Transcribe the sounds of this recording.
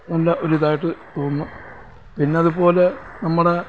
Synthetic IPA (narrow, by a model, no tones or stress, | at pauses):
nɐlːɐʔoɾuiðaːjiʈːɨt̪oːnːu | pinːeɐðupo̞ːle̞nɐmːuɽe̞